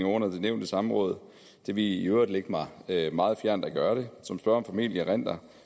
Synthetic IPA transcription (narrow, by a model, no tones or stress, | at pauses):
ŋɒːnɐd̥e̝neʊnd̥əsɑ̈məʁɔ̽ːð̞̩ˠ | d̥e̝ʋiiøʊʁd̥leɡ̥əmɑ̈ɪømɑ̈ːð̞̩ˠfjæɐ̰nd̥æɡ̥ɶːɐɾ̥e̝sɒ̽msb̥ɶɐɒ̽mfæmḭljəʁen̰d̥ɐ